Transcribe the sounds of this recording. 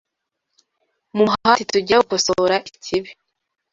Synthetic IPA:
mumɦhatituɟeukosoɾaʔicʰiβi

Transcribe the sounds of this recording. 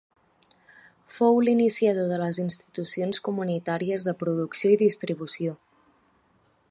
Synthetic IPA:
fowlinisiaðoðələzinst̪it̪usionskumunit̪aɾiəzðəpɾuðuksioiðist̪ɾiβ̞usio

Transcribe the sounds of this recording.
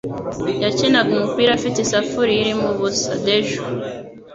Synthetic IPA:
jacinaɡumupiːɾafitisafuɾijiɾimuβusadeʒu

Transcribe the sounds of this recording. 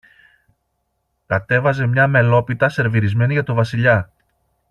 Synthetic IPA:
kɐt̪e̞vɐze̞mɲɐme̞lo̞pit̪ɐse̞ɾviɾizme̞niʝɐt̪o̞vɐsiʎɐ

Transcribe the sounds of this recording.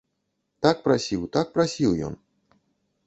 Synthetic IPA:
t̪ak̚pɾasʲiwt̪ak̚pɾasʲiwjɔ̰n

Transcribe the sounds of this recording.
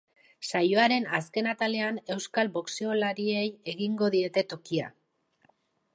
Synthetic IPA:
sajo̞aɾe̞naske̞nat̪ale̞ane̞wskalbo̞kse̞o̞laɾie̞je̞ɣiŋɡo̞ðie̞t̪e̞t̪o̞kia̰

